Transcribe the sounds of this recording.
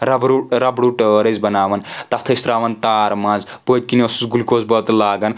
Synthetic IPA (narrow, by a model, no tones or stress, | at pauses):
ɾɐbɾuɾɐbɽuʈəɾɐzbɐnaːʋɐnt̪ɐt̪ʰɐist̪ɾaːʋɐnt̪aːɾmãːnz | pot̪̚ʲkinosusɡulkoːzbɐt̪laːɡɐn